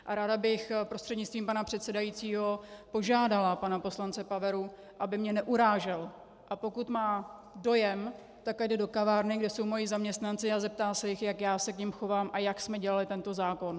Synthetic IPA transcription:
ʔaɾaːdabɪxpɾost̪r̥ɛdɲɪtt͡st̪viːmpanapr̥ɛt̪sɛdajit͡siːɦo̞po̞ʒaːdalapanapo̞slant͡sɛpavɛɾu | ʔabɪmɲɛnɛʔuɾaːʒɛl | ʔapo̞kut̪maːdo̞jɛm | t̪akajdɛdo̞kavaːɾnɪɡdɛso̞wmo̞jizamɲɛst̪nant͡sɪazɛp̚t̪aːsɛjɪxjakjaːsɛkɲɪmxo̞vaːmʔajaksmɛɟɛlalɪt̪ɛnt̪o̞zaːko̞n

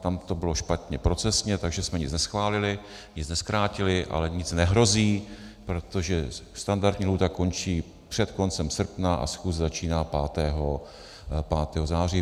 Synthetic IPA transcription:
t̪amt̪o̞bɪlo̞ʃpat̪ɲɛpɾo̞t͡sɛsɲɛt̪aɡʒɛsmɛɲɪt͡snɛsxvaːlɪlɪ | ɲɪt͡snɛskɾaːcɪlɪʔa̰lɛɲɪt͡snɛɦɾo̞ziː | pɾo̞t̪o̞ʒɛst̪andaɾt̪ɲiːɦlut̪ako̞nt͡ʃiː | pr̝̥ɛt̪ko̞nt͡sɛmsr̩pnaʔa̰sxuːszat͡ʃiːnaːpaːt̪ɛːɦo | paːt̪ɛːɦozaːr̝iː

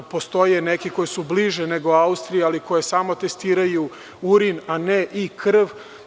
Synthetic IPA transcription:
po̞st̪o̞jenekiko̞jesubliʒeneɡo̞aust̪ɾijaaliko̞jesaːmo̞t̪e̞st̪iːɾaju | uɾinaneʔikʰr̩ʋ

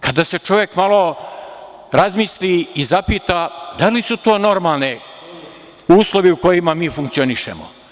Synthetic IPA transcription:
kad̪ase̞t͡ʃo̞ʋjekmalˠo̞ | ɾazmisliːzapiːt̪ad̪alisut̪o̞ːno̞ɾmalˠne | uːslˠo̞ʋiuko̞jimamiːfuŋkt̪sio̞niʃḛmo̰

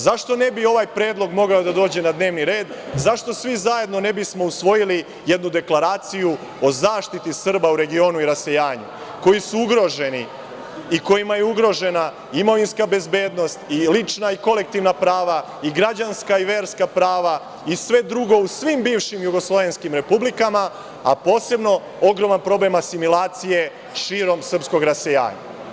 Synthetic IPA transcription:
zaʃt̪o̞nebio̞ʋajpɾeːd̪lˠo̞ɡmo̞ɡaod̪ad̪o̞ːd͡ʑe̞nad̪ne̞ːʋniɾe̞ːd̪ | zaʃt̪o̞sʋizajed̪no̞ne̞bismo̞usʋo̞jili | je̞d̪nud̪e̞klˠaɾaːt̪siju | o̞zaːʃt̪it̪isr̩bauɾe̞ɡio̞ːnuiɾase̞jaːɲṵ | ko̞jisuuɡɾo̞ʒe̞ni | iko̞jimajeuɡɾo̞ʒe̞na | imo̞ʋinskabezbe̞ːd̪no̞st̪ilit͡ʃnaiko̞le̞k̚t̪iʋnapɾaːʋa | iɡɾad͡ʑanskaiʋeːɾskapɾaːʋa | isʋe̞d̪ɾuɡo̞usʋimbiːʋʃimjuɡo̞slˠo̞ʋe̞nskimɾe̞publikama | apo̞ːse̞bno̞ | o̞ɡɾo̞manpɾo̞ble̞masimulˠaːt̪sije̞ | ʃiːɾo̞msr̩psko̞ɡɾase̞ja̰ːɲa̰

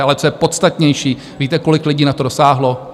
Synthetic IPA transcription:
ʔalɛt̪t͡so̞jɛpo̞t̪st̪at̪ɲɛjʃiː | viːt̪ɛko̞lɪklɪɟiːnat̪o̞do̞saːɦlo̞

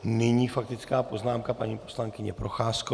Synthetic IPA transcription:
nɪɲiːfak̚t̪ɪt͡skaːpo̞znaːmkapaɲiːpo̞slaŋkɪɲɛpɾo̞xaːsko

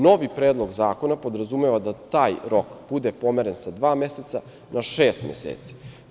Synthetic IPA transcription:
no̞ʋipɾeːd̪lˠo̞ɡzaːko̞napo̞d̪ɾazumeʋad̪at̪aːjɾo̞kb̥ud̪e̞po̞meɾensad̪ʋaːme̞set̪sa | naʃeːst̪mḛsḛːt̪si̥

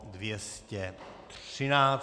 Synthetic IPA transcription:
dvjɛscɛt̪r̥ɪnaː

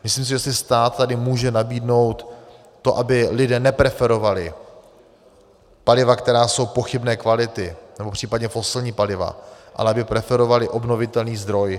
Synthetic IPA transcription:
mɪsliːms̬ɪʒɛsɪst̪aːt̪t̪ːadɪmuːʒɛnabiːdno̞wt̪ː | o̞ʔabɪlɪdɛːnɛpɾɛfɛɾo̞valɪ | palɪvakt̪ɛɾaːso̞wpo̞xɪbnɛːkvalɪt̪ɪnɛbo̞pr̥iːpadɲɛfo̞sɪlɲiːpalɪva̰ʔa̰lɛabɪpɾɛfɛɾo̞valɪʔo̞bno̞vɪt̪ɛlniːzd̪ɾo̞j

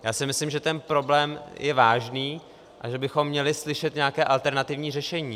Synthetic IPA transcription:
jaːsɪmɪslɪmʒɛt̪ɛnpɾo̞blɛːmjʔɛvaːʒniː | ʔaʒɛbɪxo̞mːɲɛlɪslɪʃɛt̪ɲɛakɛːʔalt̪ɛɾnat̪ɪvɲiːrɛʃɛɲiː

